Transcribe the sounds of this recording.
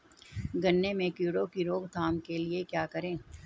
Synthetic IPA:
ɡɐnːemẽkjuːɽokiɾoːɡt̪ʰaːmkeliekjaːkɐɾẽː

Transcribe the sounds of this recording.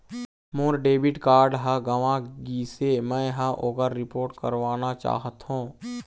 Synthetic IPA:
mʊɾɖeːbɪʈkaːɾɖɦəɡəʋãɡiːsemɛ̃ɦəʔoɡəɾɾɪpoːɾʈkəɾʋaːnat͡ʃa̰ːɦət̪ɦũː

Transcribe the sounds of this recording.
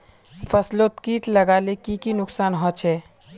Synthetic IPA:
fʰəslot̪kiːʈlɐɡaːlekikinʊksaːnɦɔ̃ːt͡ʃʰɛː

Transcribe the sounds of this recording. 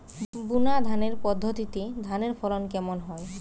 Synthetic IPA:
bunad̪ʱaneɾpɔd̪ʱːot̪it̪ed̪ʱaneɾfʰɔlonkɛmonɦɔe

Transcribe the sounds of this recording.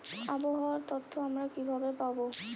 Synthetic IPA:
abɔɦɔɔt̪ɔt̪ʰːɔamɹakibʱabepabo

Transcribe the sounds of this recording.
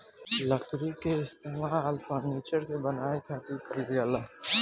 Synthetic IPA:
ləkɾikeɪst̪eːmaːlfəɾniːt͡ʃəɾkebɐnaːekʰaːt̪ɪkəɾɡjaːla

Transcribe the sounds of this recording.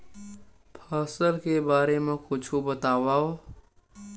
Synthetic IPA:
pʰəːsəlkebaːɾemẽkʊt͡ʃʰubət̪aːwaːo

